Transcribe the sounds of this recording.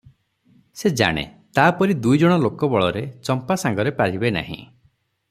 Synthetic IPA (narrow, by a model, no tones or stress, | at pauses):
sed͡ʒa̰ɽ̃ḛt̪aːpɔɾid̪ujd͡ʒɔɽ̃ɔlokɔbɔɭɔɾet͡ʃɔmpasaŋɡɔɾepaɾibena̰ɦḭ̃